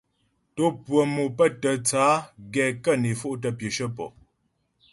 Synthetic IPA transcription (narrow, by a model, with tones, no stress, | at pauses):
to˦pwə˨mo˨pə˦tə˨t͡saː˨˦ɡɛ˨kə˦˨ne˨fo˦ʔtə˨pjə˨ʃə˦pɔ̰˨